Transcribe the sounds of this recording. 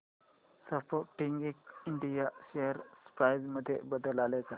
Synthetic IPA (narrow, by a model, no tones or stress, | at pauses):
səfoʈiŋɡikiɳɖijaɕeəɾsə̥pɾajd͡zməd̪ʱːjḛbəd̪əlaleka